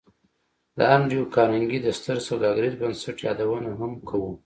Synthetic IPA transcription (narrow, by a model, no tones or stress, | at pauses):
d̪ə̰aɳɖijokɑmɪŋɡid̪ast̪əɾsawd̪ɑɡɾizbənsaʈjɑd̪awənaɦamkʰawu